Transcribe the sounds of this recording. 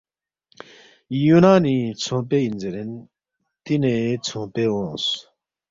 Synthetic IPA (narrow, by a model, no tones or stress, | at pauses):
junanit͡sʰõpejind͡zeɾen | t̪ineːt͡sʰõpeːwõs